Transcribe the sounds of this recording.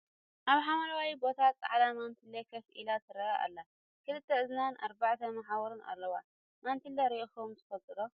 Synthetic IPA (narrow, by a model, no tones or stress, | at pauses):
ʔaβħamɐlawajbo̞t̪ʰat͡sʼa̰ʕd̪amant̪ʰilːɐkʰɐfʔḭlat̪ɨɾɐʔa̰lːa | kʰɨlɨt̪ʰːɐɨznana̰ɾbaʕt̪ʰɐmaħawɔɾuna̰lːɐwa | mant̪ʰilːɐɾixomt̪ʰɨfɐlt̪ʼɨlo